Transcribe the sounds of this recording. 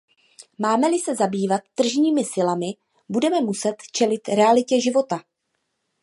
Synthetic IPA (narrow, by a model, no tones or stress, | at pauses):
maːmɛlɪsɛzabiːvat̪ːr̩ʒɲiːmɪsɪlamɪ | budɛmɛmusɛt̪t͡ʃɛlɪt̪ɾɛalɪcɛʒɪvo̞t̪a